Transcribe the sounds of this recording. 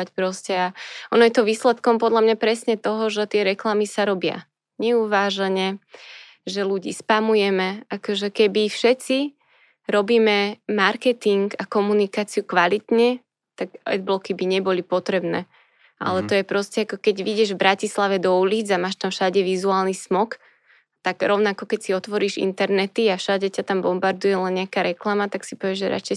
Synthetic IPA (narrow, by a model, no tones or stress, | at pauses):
acpɾɔscɛaʔɔnɔjɛt̪ɔʋiːslɛt̪kɔmpɔd̪ʎamɲapɾɛsɲɛt̪ɔɦɔʒɛt̪ɪɛɾɛklamisaɾɔbɪa̰ | ɲɛuʋaːʒaɲɛ | ʒɛluɟḭːspamujɛmɛakɔʒɛkɛbifʃɛt͡si | ɾɔbiːmɛmaɾkɛt̪iŋɡakɔmunikaːt͡siukʋalit̪ɲɛ | t̪aɡɛ̰d̪blɔkibiɲɛbɔlipɔt̪ɾɛbnɛː | ʔa̰lɛt̪ɔjɛpɾɔscɛakɔkɛɟʋiɟɛʒvbɾacislaʋɛd̪ɔuliːd͡zamaːʃt̪amfʃaɟɛʋizuaːlnismɔk | t̪aɡ̥ɾɔʊnakɔkɛcsiɔt̪ʋɔɾiːʒḭnt̪ɛɾnɛt̪iafʃaɟɛcat̪ambɔmbaɾd̪ujɛlɛnːɲɪakaɾɛklamat̪aksi̥pɔʋɛʒɛɾa̰t͡ʃɛ